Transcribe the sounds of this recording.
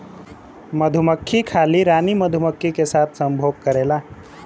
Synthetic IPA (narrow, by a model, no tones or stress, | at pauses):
məd̪ʱuməkʰːikʰaliɾaniməd̪ʱuməkʰːikesat̪ʰsəmbʱoɡ̚kəɾela